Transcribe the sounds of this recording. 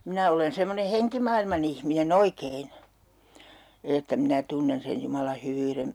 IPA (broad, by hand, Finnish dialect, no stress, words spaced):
minæ olen semːone heŋkimɑilmɑn ihminen oikein etːæ minæ tunːen sen jumɑlɑ hyʋyːren